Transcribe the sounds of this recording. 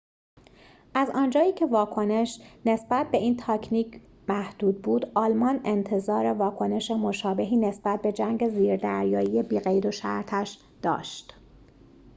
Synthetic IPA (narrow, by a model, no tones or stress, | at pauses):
ʔæzɒːnd͡ʒɒːjiːcʰe̞vɒːkʰo̞ne̞ʃne̞sbæt̪̚be̞iːnt̪ʰɒːcʰniːcʰ | mæhd̪̥uːd̪̚buːd̪ɒːlmɒne̞nt̪ʰe̞zɒːɾe̞vɒːkʰo̞ne̞ʃe̞mo̞ʃɒːbe̞ɦiːne̞sbæt̪̚be̞d͡ʒæŋɟe̞ziːɾd̪æɾjɒːjiːje̞biːɣe̞jd̪oʃæ̰ɾt̪ʰæʃ | d̪̥ɒ̰ːʃt̪